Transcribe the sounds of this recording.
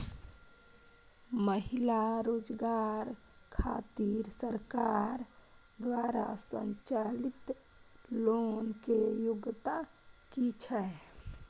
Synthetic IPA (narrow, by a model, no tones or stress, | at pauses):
məɦilaɾoːd͡ʒɡaɾ | kʰaːt̪iɾsəɾkaɾ | d̪waɾa̰sə̰ɲt͡ʃalit̪ | loːnkejʊɡt̪a | kit͡ʃʰɛ